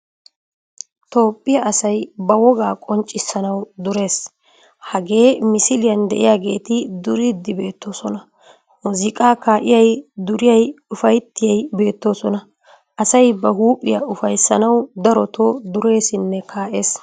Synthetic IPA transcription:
t̪o̞ːpʼːɪjɐʔɐsɐjbɐwɔɡaːkʼɔnt͡ʃʼːɪsːɐnɐwd̪ʊɾe̞ːs | hɐɡe̞ːmɪsɪlɪjɐnd̪ɛ̰ʔɪ̰jaːɡe̞̰ːt̪ɪd̪ʊɾɪd̪ːɪbe̞ːt̪ːo̞ːsɔnɐ | mʊzɪkʼaːkaːʔɪjɐjd̪ʊɾɪjɐjʊfɐjt̪ːɪjɐjbe̞ːt̪ːo̞ːsɔnɐ | ʔɐsɐjbɐhuːpʼːɪjɐʊfɐjsːɐnɐwd̪ɐɾɔt̪ʰod̪ʊɾe̞ːsɪnːɛkʰaːʔe̞ːs

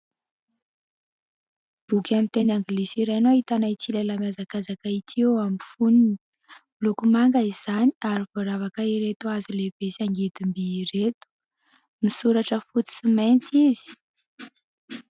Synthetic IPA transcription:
b̥ukʲamint̪enaŋɡilisiɾajnoit̪anait͡silelamjazakazakait̪ʰiwamifunini | lukumaŋɡaiz̥aniaɾiv̥oɾavakaiɾet̪uazileb̥esiaŋɡet̪imbiɾet̪u̥ | misuɾaʈ͡ʂəfut͡s̪i̥siment̪izi̥

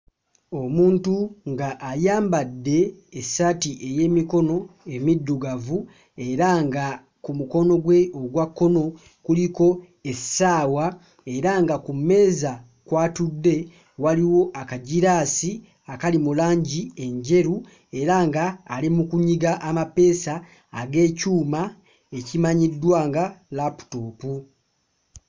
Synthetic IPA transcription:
o̞muːntuŋɡaʔːjaːmbadːe̞ːsatiʔe̞je̞ːmiko̞no̞e̞midːuɡavu | e̞ɾaŋɡa | kumuko̞no̞ɡwe̞oɡwakːo̞no̞ | kuliko̞ | e̞saːwa | e̞ɾaŋɡakume̞ːza | kwaːtudːe̞ | waliwo̞ʔakaɟiɾaːsi | akalimulaːɲɟie̞ɲɟe̞ɾu | e̞ɾaŋɡaːlimukuɲiɡaʔamape̞ːsaː | ɡe̞ːcuːma | ecimaɲidːwaːŋɡalapu̥toːpu

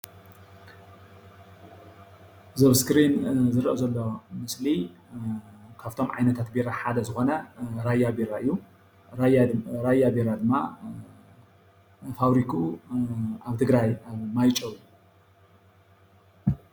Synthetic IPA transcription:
zɐβskɾinzɨɾʔɐzɐlːomɨsli | kʰaft̪ʰo̞mʕa̰jnɐt̪ʰat̪beɾaħad̪ɐzɨxo̞nɐɾajːabeɾaʔɨjːu | ɾaɾajabeɾad̪ɨmːa | faβɾikʰu | aβt̪ʰɨɡɾajaβmajt͡ʃʼɐwu

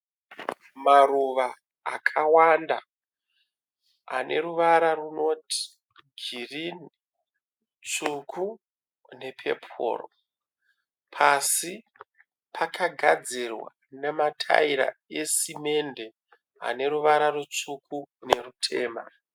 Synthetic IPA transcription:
maruʋa̰ː | kʰawanda̰ | a̰nʔe̞̰ɾuʋaɾaruno̞tʰi̥ | ɡʱirin | t͡sukʰu | ne̞pʰe̞̰pʰo̰ːro̰ | pʰasi | pʰakʰaɡʱad͡zirwa̰ | ne̞matʰa̰iɾa̰e̞sime̞nde | a̰ne̞ɾuʋaɾarut͡sukʰune̞rutʰe̞ːma̰

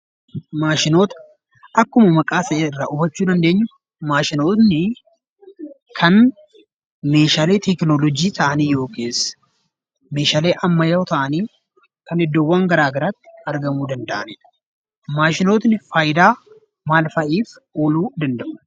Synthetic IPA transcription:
maːʃɪnoːt̪ɐ̥ | ʔɐkːʊmɐmɐkʼaːsɐʔeːɪrːa̰ːʔʊbɐt͡ʃːuːd̪ɐnd̪e̞ːɲːʊ | maːʃɪno̞ːt̪nɪ | kʰɐn | me̞ːʃaːleːt̪ɛknolɔd͡ʒiːt̪ʰɐʔɐniːjo̞ːkeːsɐ̥ | meːʃaːle̞ːʔɐmːɐjɐwt̪ɐʔɐniː | kɐnɛd̪ːoːwːɐːŋɡɐɾaːɡɐɾaːt̪ːɪ̥ɐɾɡɐmuːd̪ɐnd̪ɐʔɐneːᶑɐ̥ | maːʃɪno̞ːt̪nɪfaːjd̪aː | maːlfɐʔiːf | oːluːd̪ɐnd̪ɐʔʊ̥

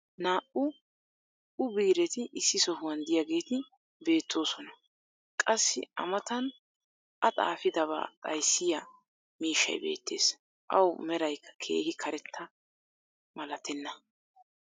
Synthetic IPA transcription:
naːʔʊ | ʔʊbiːɾɛt̪ɪʔɪsːɪsɔhʊwɐnd̪ɪjaɡe̞ːt̪ɪ | be̞ːt̪ʰːo̞ːsɔnɐ | kʼɐsːɪ̰ʔɐ̰mɐt̪ɐn | ʔɐt̪ʼa̰ːfɪd̪ɐβa̰ːt̪ʼɐjsːɪjɐ | miːʃːɐ̰jbe̞̰ːt̪ːe̞̰ːs | ʔɐwmɛɾɐjkʰːɐ̥kʰe̞̰ːhɪkʰɐɾɛt̪ʰːɐ | mɐlɐt̪ɛnːɐ

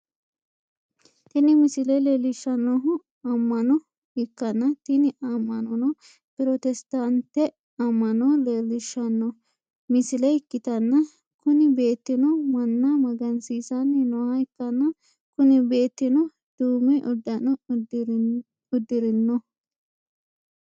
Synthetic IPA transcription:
t̪ɪnɪmɪsɪlɛleːlɪʃɐnːɔɦʊ | ɐmːɐnɔ | hɪkːɐnːɐt̪ɪnɪʔamːɐnɔnɔ | pɪɾɔt̪ɛst̪ant̪ɛ | ɐmːɐnɔleːlɪʃɐnːɔ | mɪsɪlɛɪkːɪt̪ɐnːɐ | kʊnɪbe̞ːt̪ːɪnɔmɐnːamɐɡɐnsiːsɐnːɛnɔwaɪkːɐnːɐ | kʊnɪbe̞ːt̪ːɪnɔ | d̪̥uːmɛʔɔd̪ːɐnɔ | ʊd̪ːɪɾɪnːɔ

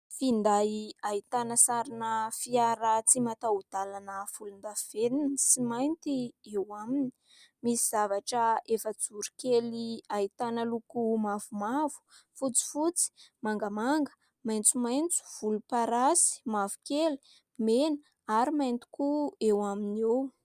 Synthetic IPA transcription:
find̪aait̪anəsaɾinəfiaɾat͡simat̪aud̪̥alanəfulund̪aveninsimajnt̪iewamini̥ | misizavaʈ͡ʂəefət͡suɾi̥keliait̪anəlukumavumavu̥fut͡si̥fut͡si̥maŋɡəmaŋɡə̥ | majnt͡sumajnt͡su̥v̥ulupaɾasi̥mavu̥keli̥ | menə | aɾimajnt̪i̥kuewaminew

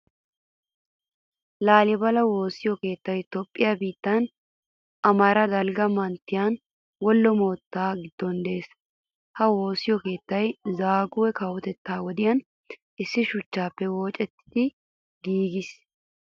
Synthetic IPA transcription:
laːlɪbɐlɐwo̞ːsɪjɔke̞ːt̪ːɐjt̪ɔpʼːɪjabiːt̪ːɐn | ʔɐmɐɾɐd̪ɐlɡɐmɐnt̪ːɪjan | wɔlːɔmo̞ːt̪ːaːɡɪd̪ːɔnd̪e̞ːs | hɐwo̞ːsɪjɔke̞ːt̪ːɐjzaːɡʊwɛkɐwɔt̪ɛt̪ːaːwɔd̪ɪjɐn | ɪsːɪʃʊt͡ʃːaːpːɛwo̞ːt͡ʃʼɛt̪ːɪ̥d̪ɪ | ɡiːɡɪs

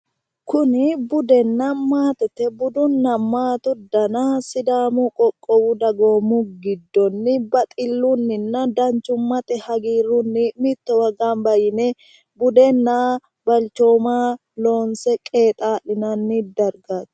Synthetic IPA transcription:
kʊnɪbʊd̪ɛnːɐmaːt̪ɛt̪ːɛbʊd̪ʊnːɐmaːt̪ʊd̪ɐnasɪd̪aːmʊkʼɔkʼːɔwʊd̪ɐɡoːmʊɡɪd̪ːɔnːɪbɐt̪ʼɪlːʊnːɪnːɐd̪ɐnt͡ʃːʊmːɐt̪ɛhɐɡiːɾʊnːɪmɪt̪ːɔwɐɡanbɐjɪnɛ | bʊd̪ɛnːa | bɐlt͡ʃo̞ːmaː | lo̞ːnsɛkʼe̞ːt̪ʼaːɗɪnɐnːɪd̪ɐɾɡaːt̪

